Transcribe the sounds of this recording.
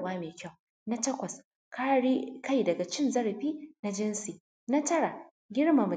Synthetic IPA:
waː˦meː˨kʲa˦˨w | na˦tɐ˦kʷɐ˨s | kaː˦ɽiː˦ka˦˨jdɐ˨ɡa˨t͡ʃɪ˦nzɐ˦ɽɐ˨ɸiː˦na˦d͡ʒɪ˦nsi˨ | na˦tɐ˦ɽa˨ | ɡʲɪ˦ɽma˨mɐ˨

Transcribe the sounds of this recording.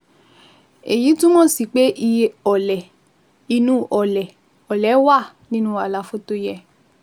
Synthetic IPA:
e˨ji˨˦tũ˦mɔ̃˦˨si˨k͡pe˨˦ʔi˧˦ɔ˨lɛ˨ | i˧nũ˦ʔɔ˨lɛ˨ | ɔ˨lɛ˨˦wa˦˨ | nĩ˦nũ˦a˧˨la˧˨fo˧˦to˧jɛ˧˨

